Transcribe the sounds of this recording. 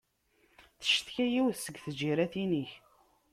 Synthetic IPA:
θə̥ʃθçæjiwðsəɡθəd͡ʒiɾæθiniç

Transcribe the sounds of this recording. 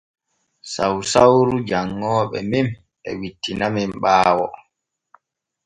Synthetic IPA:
sawsawɾud͡ʒaŋːɔːɓɛ̰mim | ɓɛ̰witːinamimɓaːwɔ

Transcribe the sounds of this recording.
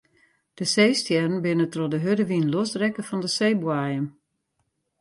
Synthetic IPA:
d̥əseːstjɛrən̩bɪnətrɔdəɦødəʋinlosdrɛkəfɔndəseːbwaːjəm

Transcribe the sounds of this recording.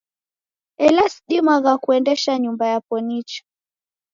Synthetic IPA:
ɛlasɗimaɣakuɛndɛʃaɲumbajapɔnit͡ʃḁ

